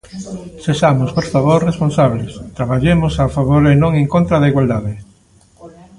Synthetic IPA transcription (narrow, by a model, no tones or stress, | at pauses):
seʃamʊspoɾfaβoɾresponsaβlɪst̪ɾaβaʎemʊsafaβoɾenõŋeŋkont̪ɾaðeiɣwald̪aðɪ